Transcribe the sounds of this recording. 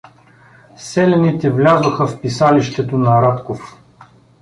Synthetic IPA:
sɛlʲɛnit̪ɛvlʲazoxəfpisaliʃt̪ɛt̪onɐɾat̪kof

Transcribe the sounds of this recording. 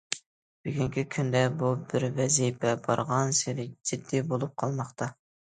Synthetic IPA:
b̥ɪɡʲiŋkʲikʲʰynd̪ɛbubɪɾvɛzipʰɛbɑɾʁɑnseɾɪd͡ʒɪd̪ːibolˠup̚qʰɑlˠmɑχt̪ʰɑ

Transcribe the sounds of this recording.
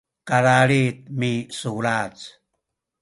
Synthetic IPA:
kaɾaɾit̪̚misulat͡s

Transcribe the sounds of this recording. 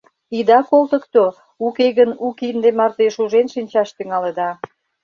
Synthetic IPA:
id̪ɑkolt̪ə̆kt̪o | ukeɣənukind̪emɑrt̪eʃuʒenʃinʲt͡ɕɑʃt̪yŋɑləd̪ɑ

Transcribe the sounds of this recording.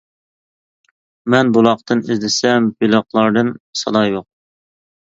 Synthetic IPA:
mɛnbulˠɑqt̪ɨnizd̪ɪsɛmbylˠəχlˠɑɾd̪ɨnsɑd̪ɑːjoq̚

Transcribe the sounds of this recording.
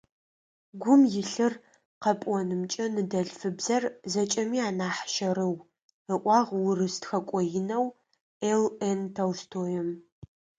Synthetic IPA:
ɡʷʊmjɪɬɨr | qɐpʼwɔnɨmt͡ʃʼɐnɨdɐɮfɨbzɐrzɐt͡ʃʼɐmiːaːnaːħʃɐɾɨw | əʔʷɑːʁwʊrɨstxɐkʷʼɔjɪnɐw | elentʰɐwstʰoːjɛm

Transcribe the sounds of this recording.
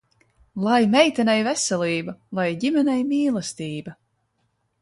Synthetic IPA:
lˠajmɛjt̪ɛnɛjvɛsɛliːbalˠajɟimʲɛnʲɛjmiːlˠast̪iːba

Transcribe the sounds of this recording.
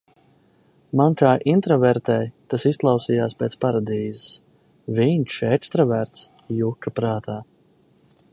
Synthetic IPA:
mankaːʔint̪ɾɔvɛɾt̪ɛːjt̪asisklˠawsijaːspʲeːt̪spaɾad̪iːzis | vinʲʃɛkst̪ɾavæɾt̪s | jukːapɾaːt̪ʰaː

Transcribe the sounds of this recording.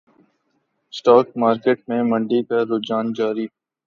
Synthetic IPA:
sʈaːk̚maːɾkeːʈ̚mẽmə̃ɳɖikaɾoːd͡ʒaːnd͡ʒaːɾiː

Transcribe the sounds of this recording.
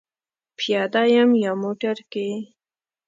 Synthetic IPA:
pjɑd̪ajamjɑmoʈaɾke

